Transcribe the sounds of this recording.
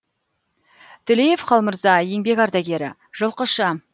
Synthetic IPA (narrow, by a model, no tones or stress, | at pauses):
t̪ʰɪlejefqʰɑlˠməɾzɑje̞ŋbe̞kɑɾd̪ɑɡʲe̞ɾɪ̰ | ʒ̥əlˠqəʃɑ